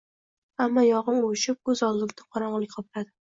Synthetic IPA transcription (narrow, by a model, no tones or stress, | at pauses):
amːɒjɒʁɨnoʃɪp̚kɵzɒzlɪɡʲd̪ɪqʰɒɾɒɴlˠɪk̚ʲqʰɒplad̪ɪ